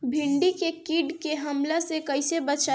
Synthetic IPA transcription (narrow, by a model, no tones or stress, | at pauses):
bʱɪɳɖikekiːɖkeɦəmlasekəɪsebət͡ʃa